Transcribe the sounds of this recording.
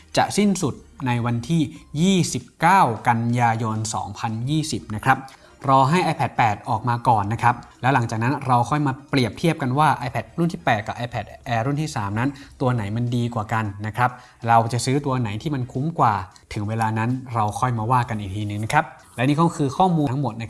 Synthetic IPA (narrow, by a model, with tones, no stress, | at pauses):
t͡ɕa̰˨˩ʔ̚si˥˩nsu˨˩t̪̚na˧jwa˧nt̪ʰiː˥˩jiː˥˩si˨˩p̚kaː˥˩wka˧njaː˧jo˧nsɔ̰ː˩˦ŋpʰa˧njiː˥˩si˨˩p̚na˦˥kʰɾa˦˥p̚ | ɾɔː˧ɦa˥˩jʔa˧jpʰɛ˨˩t̪̚pɛː˨˩t̪̚ʔɔː˨˩k̚maː˧kɔː˨˩nːa˦˥kʰa˦˥p̚lɛː˦˥wla˩˦ŋt͡ɕaː˨˩k̚na˦˥nɾa˧wkʰɔ˥˩jmaː˧pɾi˨˩əp̚t̪ʰi˥˩əp̚ka˧nwaː˥˩ʔaː˧jpʰɛ˨˩t̪̚ɾu˥˩nt̪ʰiː˥˩pɛː˨˩t̪̚ka˨˩p̚ʔaː˧jpʰɛ˨˩t̪̚ʔɛː˧ɾu˥˩nt̪iː˥˩saː˩˦mna˦˥nt̪u˧ɐna˩˦jma˧ndiː˧kwaː˨˩ka˧nːa˦˥kʰɾa˦˥p̚ | ɾa˧wt͡ɕa˨˩sɯː˦˥t̪u˧ɐna˩˦jt̪ʰiː˥˩ma˧nkʰu˦˥mkwaː˨˩ | t̪ʰɯ˩˦ŋweː˧laː˧na˦˥nɾa˧wkʰɔ˥˩jmaː˧waː˥˩ka˧nʔiː˨˩t̪ʰiː˧nɯ˨˩ŋna˥kʰɾa˦˥p̚lɛː˦˥wniː˥˩kɔ˥˩kʰɯː˧kʰɔː˥˩muː˧a˦˥ŋmo˨˩t̪̚na˦˥